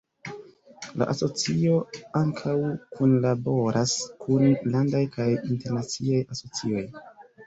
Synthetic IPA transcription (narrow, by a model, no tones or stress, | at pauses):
la̰ʔaso̞t͡sio̞aŋkʰawkʰunlabo̞ɾʔaskʰunlandajkʰajinte̞ɾnat͡siajaso̞t͡sio̞j